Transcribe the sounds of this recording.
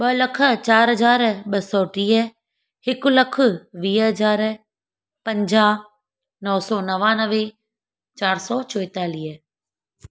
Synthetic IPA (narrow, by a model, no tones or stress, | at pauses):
ɓɐlɐkʰət͡ɕaːɾɦɐd͡ʒaːɾɓɐsɔːʈiːɦə | hɪkʊlɐkʰʊ̆ʋiːɦəd͡ʒaːɾ | pɐ̃ɲd͡ʒaː | nɔːsɔːnɐʋãːnəʋe | t͡ʃaːɾsɔːt͡ʃoɪt̪aːliːɦə